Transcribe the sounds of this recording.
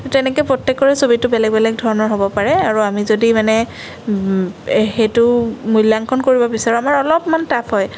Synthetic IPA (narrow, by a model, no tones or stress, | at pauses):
tɛnɛkɛpɹɔtːekːɔɹɛsobitʊbɛlɛɡ̚bɛlɛɡ̚dʱɔɹɔnɔɹɦobɔpaɹɛaɹuamizodimanɛ | xejtʊmujlːaŋkʰɔnkoɹibɔbisaɹuamaɹɔlɔpmantapɦɔj